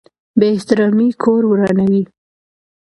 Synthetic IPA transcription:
beɪht̪ɪɾɑmikʰoɾwɾɑnawi

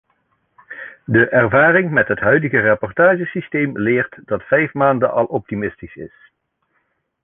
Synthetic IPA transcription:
dəʔɛɹvaːrɪŋmɛtɦətɦœɥdəɣərɑpɔɹtaːʒəsistejmlɪːɹtdɑtfɛjfmaːndənʔɑlˠʔɔp̚timɪstisɪ̰s

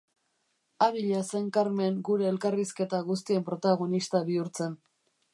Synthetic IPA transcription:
aβiʎaseŋkaɾme̞ŋɡuɾe̞ːlkariske̞t̪aɣust̪ie̞mpɾo̞t̪aɣ̞o̞nist̪aβiuɾt͡se̞n

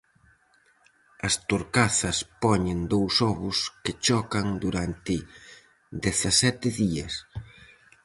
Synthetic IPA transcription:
ɐst̪oɾkaθɐspɔɲend̪owsɔβʊskɪt͡ʃɔkɐŋd̪uɾant̪ɪ | d̪eθɐsɛt̪ɪðiɐs

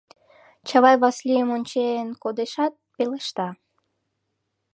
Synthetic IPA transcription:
t͡ɕɑβɑjβɑslijəmonʲt͡ɕeːnkod̪eʃɑt̪̚peləʃt̪ɑ

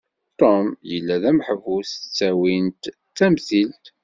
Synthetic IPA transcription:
t̪ɔmjəlːæðæməħəvust͡sːæwint̪ | t͡sːæmθilt̪

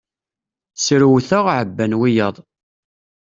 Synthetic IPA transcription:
sɾuwθəʁʕəbːænwijəðˤ

